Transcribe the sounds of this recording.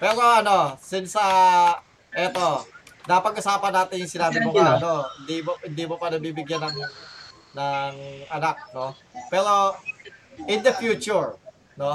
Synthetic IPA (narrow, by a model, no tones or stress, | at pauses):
pɛːɾo̞ɐno̞sɪnsɐ | ʔɛt̪o̞napɐɡʔʊsaːpɐnaːt̪ɪɲŋsɪnaːbɪmoaɐnoɪnd̪imohɪnd̪imopɐnɐbiːbɪɡjanːɐŋ | nɐŋɐnak̚no | pɛːɾo̞ | ʔɪnd̪ɐfjuːt͡ʃuɹ | no